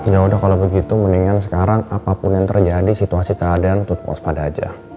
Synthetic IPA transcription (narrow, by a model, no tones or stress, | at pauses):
d͡ʒaudahkalabəɡit̪uməniŋansəkaɾaŋapapʊnjaŋt̪ərd͡ʒadisit̪uasikəadaant̪ut̪̚pɔ̰spadad͡ʒa̰